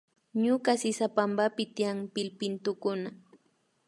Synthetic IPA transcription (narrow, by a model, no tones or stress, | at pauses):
ɲʊkasɪsapambapɪt̪ijaŋpɪlpɪnt̪ʊkʊna